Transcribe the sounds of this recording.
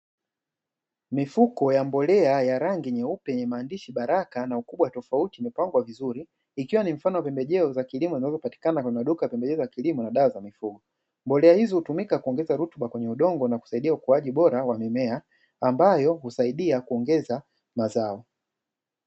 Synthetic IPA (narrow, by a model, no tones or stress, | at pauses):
mifukɔjambɔlɛajaɾaŋɡiɲɛupɛɛɲɛmaːndiʃiɓaɾakanaukuɓwatɔfautimɛpaŋɡwavizuɾiː | kiwanim̩fanɔwapɛmbɛʄɛɔzakilimɔzinazɔpati̥kanakwɛɲɛmaɗukajapɛmbɛʄɛzɔjakilimɔnaɗawazamifuɡɔ | mbɔlɛahizɔhutumikakuɔŋɡɛzaɾutuɓakwɛɲɛuɗɔŋɡɔnaku̥saiɗiaukuaʄiɓɔɾawamɛmɛa | ambajɔhusaiɗiakuɔŋɡɛza | mazaɔ